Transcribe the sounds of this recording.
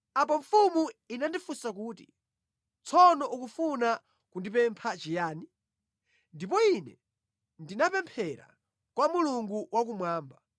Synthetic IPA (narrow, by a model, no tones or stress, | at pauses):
ap̬ɔɱfumuinandifusak̬uːtḭ | t͡sʰɔnɔʔukufuna | kundipɛmpʰat͡ʃijaːni | ndip̬ɔinɛ | ndinapɛmpʰɛɾa̰ | kwamuluŋɡuwak̬umwaːmba